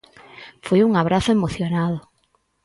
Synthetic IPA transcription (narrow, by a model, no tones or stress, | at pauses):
fojuŋaβ̞ɾaθʊemoθjonaðʊ